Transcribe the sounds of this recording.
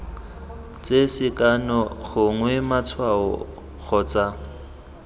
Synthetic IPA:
t͡sʼesɪkʼanɔɣʊŋwɛmat͡sʰwaɔ̰ | ɣɔt͡sʼa

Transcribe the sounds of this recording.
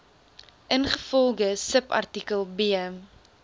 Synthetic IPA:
ʔənχəfɔlˠɡəsəpɐ̰rtikəlˠbi

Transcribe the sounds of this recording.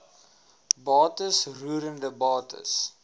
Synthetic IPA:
bɑːtəsruəɾəndəbɑːtʰə̰s

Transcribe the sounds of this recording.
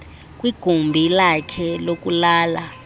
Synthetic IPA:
k̬ʼwiɡ̥ʱumbʱilakʰɛlok̬ʼulaːla

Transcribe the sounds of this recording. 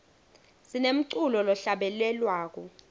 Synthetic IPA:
sinem̩ǀulɔlɔɬaɓɛlɛlwaːk̬ɔ

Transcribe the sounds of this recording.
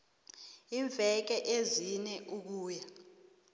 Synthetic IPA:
iɱb̪vʱɛk̬ɛʔezinɛʔuk̬uːja

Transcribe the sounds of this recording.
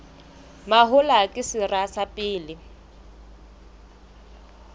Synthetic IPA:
maɦʊlakʼɪsɪrasapʼɪːlɪ

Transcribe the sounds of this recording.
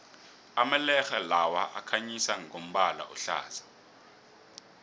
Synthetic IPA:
amalɛxalawaʔakʰaɲisaŋom̩ɓala̰ʔuɬa̰ːzḁ

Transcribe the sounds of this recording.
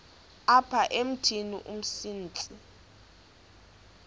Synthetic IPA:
apʰaʔem̩tʰinḭʔum̩siːnt͡sʼi

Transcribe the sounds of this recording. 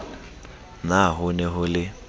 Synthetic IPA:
naɦʊnɛɦʊlɪ

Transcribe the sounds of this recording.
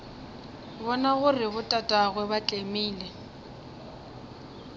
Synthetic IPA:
bɔnaɣʊrɪbʊtʼatʼaɣwɛbat͡ɬʼemiːlɛ

